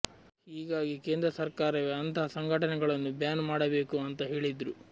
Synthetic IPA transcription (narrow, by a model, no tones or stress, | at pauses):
ɦiːɡaːɡike̞ːnd̪ɾɐsɐɾkaːɾɐʋeɐnt̪ɐɦɐsɐŋɡʱɐʈɐnɛɡɐɭɐnːubjaːnmaːɽɐbe̞ːkuɐnt̪ɐɦe̞ːɭid̪ɾu